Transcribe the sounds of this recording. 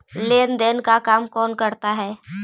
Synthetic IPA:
leːnd̪eːnkakaːmkɔːnkɐɾt̪aɦɛː

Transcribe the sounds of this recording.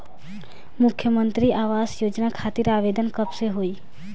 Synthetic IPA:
mʊkʰjəmənt̪ɾiʔaʋasjod͡ʒnakʰat̪iɾaʋed̪ʱənkəpseɦoi

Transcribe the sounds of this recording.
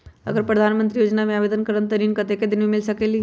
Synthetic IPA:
ɐɡəɾpɾəd̪ʱanmə̃nt̪ɾijoːd͡ʒnamẽabed̪ənkəɾənt̪əɾinkət̪eked̪ɪnʋemɪlsəkeli

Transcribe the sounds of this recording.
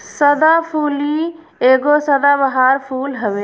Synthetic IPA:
səd̪apʰuːli | eːɡosəd̪abəɦaːɾpʰuːlɦəʋeː

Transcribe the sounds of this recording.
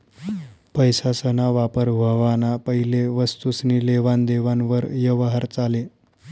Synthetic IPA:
pəjsasənaʋapəɾbʱəʋanapəɦileʋəst̪usniːleʋand̪eʋanʋəɾjəʋɦəɾt͡sale

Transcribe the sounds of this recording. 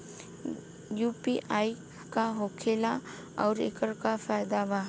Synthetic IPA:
juːpiʔai | kaɦoːkʰeːla | ɔːɾḛkəɾkafʰaːjd̪aba

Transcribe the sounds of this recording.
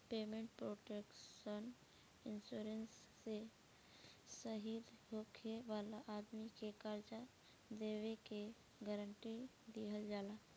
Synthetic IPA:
peːmẽːɳʈ̚pɾoːʈekʃən | ɪnsuːɾensː | e | səɦiːd̪ɦoːkʰeʋaːlaʔaːd̪mikekaɾd͡ʒa | d̪eːʋeke | ɡəɾəɳʈi | d̪iɦəld͡ʒaːla

